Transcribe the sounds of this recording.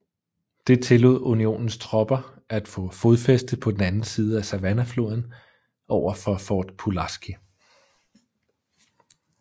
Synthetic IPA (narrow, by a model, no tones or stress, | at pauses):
d̥e̝t͡sʰe̝lo̝ð̰ˠunio̝̰ːnn̩st͡sʰʁɒ̽b̥ɐ | æd̥fɔ̽fo̝ðˠfesd̥əðˠpʰɒ̽d̥enænn̩siːð̞ˠəæsæʋænæflo̝ð̞ˠn̩ | ʔɒʊ̰ɐfɒ̽fɒːd̥pʰulɑsɡ̥i